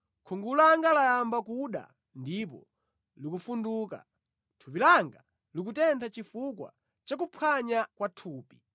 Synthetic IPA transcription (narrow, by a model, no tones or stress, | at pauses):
kʰɔŋɡulaŋɡalajambakuɗa̰ | ndip̬ɔ̰ | likufunduːka̰ | tʰupilaŋɡa | lik̬utɛntʰat͡ʃifukwa̰ | t͡ʃakupʰwaɲakwatʰuːpi